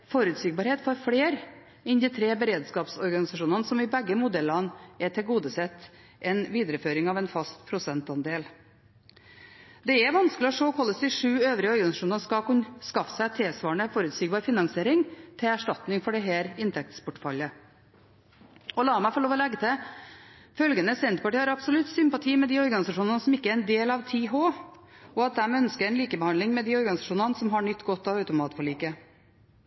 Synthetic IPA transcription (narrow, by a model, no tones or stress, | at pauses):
fɔɾʉt̪siːɡ̚bɑːɾheːt̪fɔɾfɽeːɾ | ɪnd̪ɪːt̪ʰɾeːbəɾeːd̪skɑːpsɔɾɡɑnɪsɑʂuːnənsɔmɪbɛɡːəmʊd̪ɛlɑnɛʈʰɪlɡuːd̪əsɛt̪ː | ʔɛnʋiːd̪ɾəføːɾɪŋɑʋɛnfɑst̪pʰɾʊsɛnt̪ɑnd̪eːl | d̪ɛɛʋɑnsklɪɔʂoːkʰɔlːəsd̪ɪʂʉːøːʋɾɪəɔɾɡɑnɪsɑʂuːnənskɑkʉnskɑfsæɪt̪ʰɪlsʋɑːɳəfɔɾʉt̪siːɡ̚bɑːɾfɪnɑŋsɪeːɾɪŋt̪ʰɪlæʂʈɑt̪nɪŋfɔɖɛɦæːɾɪnt̪ʰɛk̚t̪spʰʊʈfɑ̰lːə | ɔlɑːmæɪfɔlɭoːʋɔlɛɡːət̪ʰɪ | fœlɡənəsɛnt̪̚pɑʈiːhɑɾɑbsɔlʉt̪sʏmpɑt̪ʰiːmɛd̪iːɔɾɡɑnɪsɑʂuːnɑnəsɔmɪkːəæɾɛnd̪eːlɑʋt̪ʰiːɦoː | ɔɑt̪̚d̪ɛmœnskəɾɛnliːkəbəhɑnɪŋmɛd̪iːɔɾɡɑnɪsɑʂuːnənəsɔmɦɑɳʏt̪ːɡɔt̪ːɑʋœʉt̪ʊmɑːt̪fɔɭiːkə